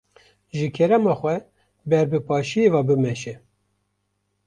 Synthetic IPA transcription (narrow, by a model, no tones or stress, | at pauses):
ʒɨkʰɛɾɛmɑːxʷɛ | bɛɾbɨpʰɑːʃijevɑːbɨmɛʃɛ